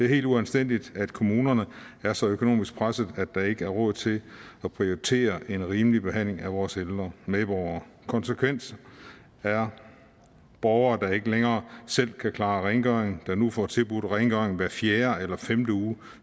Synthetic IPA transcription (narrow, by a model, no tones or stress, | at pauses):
d̥e̝æɐhe̝̰ːld̥uænsd̥en̰d̥id̥æd̥kʰo̝muːnɐnəæɐsɒ̽økʰo̝no̝̰ːmisɡ̥̚pʰʁasð̩ˠæd̥ɑ̈e̝ɡ̥əæɐʁɔ̽ð̩ˠt͡sʰe̝lɒ̽pʰʁio̝it͡sʰe̝̰ːɐʔe̝nʁiːmlib̥e̝ɦæn̰le̝ŋæʋɒːseld̥ʁɐmeðˠb̥ɒʊɐː | kʰɒ̽nsəkʰʋen̰s | æɐ | b̥ɒʊɐːd̥ɑ̈e̝ɡ̥əleŋɐːsel̰kʰækʰlɑ̈ːʁɛɪnɡ̥œeŋ̩d̥ɑ̈nufɒt͡sʰe̝lb̥ud̥ʁɛnɡ̥œɐeŋ̩ʋæɐfjeːɐelɐfemd̥əuː